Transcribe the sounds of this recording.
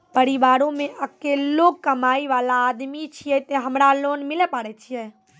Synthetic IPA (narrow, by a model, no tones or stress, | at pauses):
pəɾiʋaɾõmeʔəkelːokkəmaiʋalaːd̪mit͡ʃʰijɛt̪eɦəmɾalonmilɛpaɽɛt͡ʃʰijɛ